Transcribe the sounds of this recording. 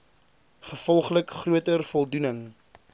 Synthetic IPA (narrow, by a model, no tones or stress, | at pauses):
χəfɔlˠχləkχruətərfɔlˠdunəŋ